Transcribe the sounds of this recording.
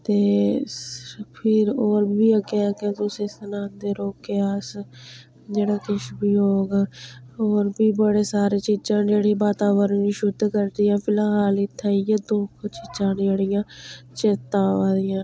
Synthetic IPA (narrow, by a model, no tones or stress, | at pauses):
t̪eː | pʰɪɾoːɾbiːəɡeaːket̪ʊsĩːsənãːnd̪eːɾoːkeːas | d͡ʒeːɽaːkɪʃbiːɦoːɡaːoːɾbiːbəɽeːsaːɾeːt͡ʃiːd͡ʒãːneːɽiːbaːt̪aːʋəɾniːʃʊd̪ʱkəɾd̪ijãːpʰɪlãːɦaːlɪt̪ʰːaːijaːd̪oːkʰt͡ʃiːd͡ʒãːneːɽɪjãːt͡ʃeːt̪ãːʋaːd̪ɪjãː